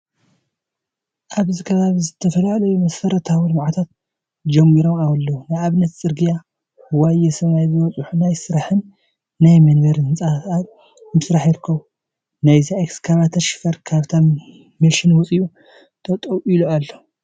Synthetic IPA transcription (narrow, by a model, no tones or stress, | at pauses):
ʔaβzikʰɐβaβizɨt̪ʰɐfɐlalɐjumɐsfɐɾɐt̪ʰawulmaʕat̪ʰat̪̚ | d͡ʒɐmːiɾomawlːunɨaβnɐt̪t͡sʼɨɾɡija | wajɛsɐβajzɨwɔt͡sʼuħunajsɨɾaħɨnː | ajmɐnβɐɾnɨt͡sʼaat̪ | mɨsɾaħjɪɾɨkʰːɐβu | najzaʔekskʰaβat̪ʰɐʃɪ̥fɐɾkʰaβt̪ʰa | milʃɪnwʊt͡sʼiu | t̪ʰʼɐt̪ʼɐwilualːo